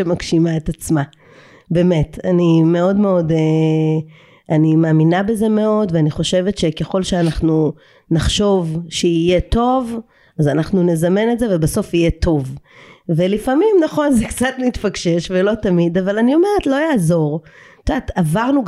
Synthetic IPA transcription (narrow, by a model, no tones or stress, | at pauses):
emakʃimaetat͡sma | be̞me̞tanime̞o̞dmeo̞de | ʔanimaːminabe̞ze̞me̞o̞dveaniχo̞ʃe̞ve̞tʃe̞keχo̞lʃeanaχnu | naχʃo̞vʃeije̞to̞v | azanaχnune̞zamene̞tzevebaso̞fije̞to̞vve̞lifamimnaχo̞nzekt͡satnit̪faɡʃe̞ʃvelo̞tamidavalanio̞me̞ʁetlo̞jaːzo̞ʁt̪oatavaʁnu